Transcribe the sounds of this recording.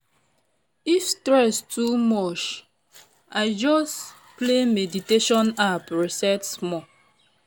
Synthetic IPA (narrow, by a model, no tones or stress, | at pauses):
ifstɹɛstʰumɔt͡ʃ | aɪd͡ʒɔs | plemɛditeʃɔ̃napɹisɛtsmɔ